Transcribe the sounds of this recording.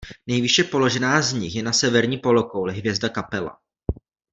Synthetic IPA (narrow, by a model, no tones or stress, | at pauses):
nɛjvɪʃɛpo̞lo̞ʒɛnaːzɲɪxjɛnasɛvɛɾɲiːpolokowlɛɦvjɛzdakapɛla̰